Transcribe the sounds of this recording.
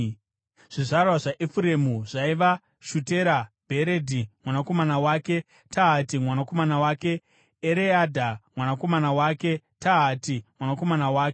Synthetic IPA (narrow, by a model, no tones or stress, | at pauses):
ʐ̥iʐarwaʐaʔifuɾe̞muʐaiʋa | ʃuteɾabʱe̞ɾedʱimwanako̞manawaːke̞ | taɦatimwanako̞manawaːke̞ː | ɾeadʱamwanako̞manawaːke̞ | taɦatimwanako̞manawaːke